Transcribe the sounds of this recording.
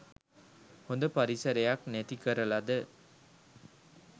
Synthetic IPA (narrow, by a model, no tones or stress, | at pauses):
hond̪əpaɾisəɾejaknæt̪ikəɾəlad̪ə